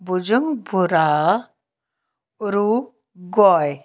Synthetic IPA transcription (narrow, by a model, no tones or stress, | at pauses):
bud͡ʒɔŋbuɾa | ɾu | ɡɔj